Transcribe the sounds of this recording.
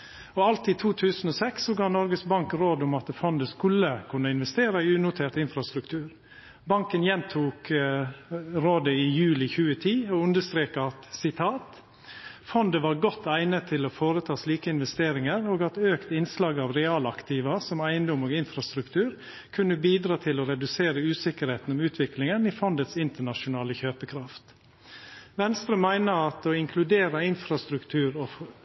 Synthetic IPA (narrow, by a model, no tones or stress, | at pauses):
ɔɑlt̪ɪt̪ʰuːt̪ʰʉːsn̩oːsɛksːɔɡɑːnɔɾɡəsbɑŋkɾoːd̪ʊmɑt̪fɔnd̪əskʉlːəkʰʉnəɪnʋɛst̪eːɾɑɪʉːnʊt̪ʰeːʈt̪ɪnfɾɑst̪ɾʉkt̪ʰʉːɾ | bɑŋkənjɛnt̪ʰuːk | ɾoːd̪əɪjʉːlɪçʉːət̪ʰiːɔʉnd̪əst̪ɾeːkəɑt̪sɪt̪ʰɑːt̪ | fɔnd̪əʋɑːɾɡɔt̪ʰːæɪnət̪ʰːɪlofoːɾət̪ʰɑːsliːkəɪnʋɛst̪eːɾɪŋəɾoːɡɑt̪øːkt̪ɪnslɑːɡɑːʋɾɛɑːlɑkt̪iːʋəsɔmæɪənd̪ɔmoːɡɪnfɾɑst̪ɾʉkt̪ʰʉːɾ | kʰʉnːəbiːd̪ɾɑːt̪ʰɪloːɾɛd̪ʉseːɾəʉːsɪkəɾheːt̪n̩ɔmʉːt̪ʰʋɪklɪŋənifɔnd̪ət̪sɪnt̪əɳɑʃʊnɑːləçøːpəkʰɾɑft̪ | ʋɛnst̪ɾʉːmæɪnəɑt̪oːɪŋkʰlʉd̪eːɾəɪnfɾɑst̪ɾʉkt̪ʰʉːɾo